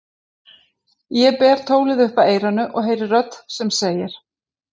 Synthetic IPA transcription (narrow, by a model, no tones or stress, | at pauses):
jɛpɛːɾ̥t̪ʰoːwlɪðʏhpaeːjɾanʏʔɔɣɦejɾɪrœt̪sɛmseːjɪɾ̥